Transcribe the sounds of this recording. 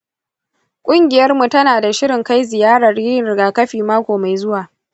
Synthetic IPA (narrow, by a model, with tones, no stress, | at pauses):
kʷʼʊ˦ŋɡʲɪ˨jɐ˦rmu˨tɐ˦naː˨da˨ʃɪ˦ɽɪ˨ŋka˦jzɪ˨jaː˦ɽɐ˨rjɪ˦˨ɪ˨ɡaː˨kɐ˦ɸiː˨maː˦kʷoː˨ma˨jzʊ˦waː˨